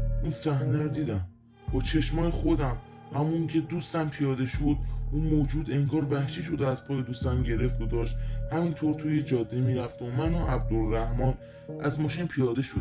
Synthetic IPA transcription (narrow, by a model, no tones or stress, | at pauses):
ʔunsæhneɾd̪iːd̪æm | b̥ɒːt͡ʃʰe̞ʃmɒːjexod̪æm | hæmuiŋcʲʰe̞d̪uːst̪æmpʰijɒːd̪e̞ʃod̪̥̚ʔunmoːd͡ʒuːd̪e̞ŋɡɒːɾvæhʃiʃod̪æzpʰɒːjed̪ust̪æmɟe̞ɾe̞ft̪od̪ɒːʃt̪hæmint̪ʰoɾt̪ʰuːjed͡ʒɒːd̪ːemiːɾæft̪omænɒʔæb̚d̪olːæhmɒːn | æzmɒːʃinpʰijɒːd̪e̞ʃod̪